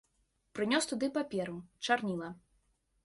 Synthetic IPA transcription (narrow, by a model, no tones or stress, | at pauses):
pɾɨnʲɔst̪ud̪ɨpapʲɛɾut͡ʂarnʲilˠɐ